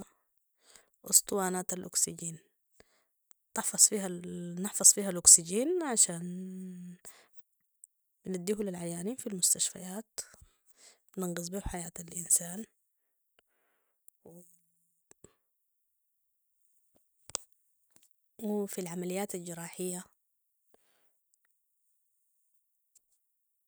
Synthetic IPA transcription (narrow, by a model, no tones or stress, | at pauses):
ʔʊsˤt̪ˤwaːnaːt̪alʔʊksiɟiːn | t̪ɪħfɑsˤfiːhanɪħfɑsˤfiːhalʔʊksid͡ʒiːnʕaʃaːn | bnad̪ːiːɦulilʕajaːniːnfilmʊst̪aʃfa̰jaːt̪ | bnɪnɡɨzˤbiːhuħajaːt̪alʔinsaːn | w | wɪfilʕamalijːaːt̪ald͡ʒɪɾˤɑːħɪjːa